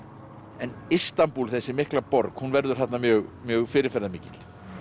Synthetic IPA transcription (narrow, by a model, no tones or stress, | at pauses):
ɛnist̪ampulθɛsːɪmɪhklapɔɾkhunvɛɾðʏɾ̥θat̪namjœːɣmjœːɣfɪːɾɪɾfɛɾðamɪːcɪt̪l̥